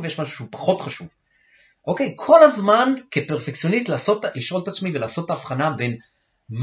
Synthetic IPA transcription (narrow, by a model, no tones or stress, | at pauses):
vejeʃmaʃu̥ʃeupḁχo̞t̪χaʃuv | ʔo̞ke̞jkʰo̞lazmankepe̞ʁfekt͡sijo̞nist̪laːso̞t̪liʃʔo̞lt̪at͡smivelaːso̞tːaːfχanabe̞n | m